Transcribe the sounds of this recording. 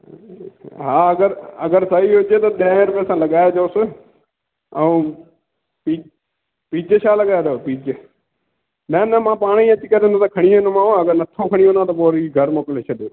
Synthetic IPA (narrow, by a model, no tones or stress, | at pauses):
ɦaːəɡəɾə̰ɡəɾsəɦiːɦʊd͡ʒeːt̪ɐɗẽːɾpesãːləɠaːjaːd͡ʒoʊs | əũː | piː | piːd͡ʒeʃaːləɠaːjeːd̪eopiːd͡ʒe | nənəmãːpaːɽ̃ĩːət͡ʃikəɾẽːnd̪oːt̪ɐkʰəɽ̃iõnomãːõːəɡəɾnət̪ʰoːkʰəɽ̃iõːnãːt̪op̬oːɾiɡʱəɾmoːkleːt͡ʃʰəɗoː